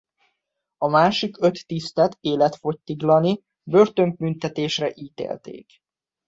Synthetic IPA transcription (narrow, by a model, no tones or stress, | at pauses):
ɒmaːʃikø̞t̪ːist̪ɛt̪eːlɛt̪fo̞c̚t̪iɡlɒni | bø̞rt̪ø̞ŋk̚mynt̪ɛt̪eːʃrɛʔiːt̪ḛːlt̪ḛːk